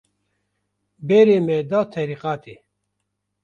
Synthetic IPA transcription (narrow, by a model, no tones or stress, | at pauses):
beɾeːmɛd̪aːt̪ʰɛɾiːqaːt̪e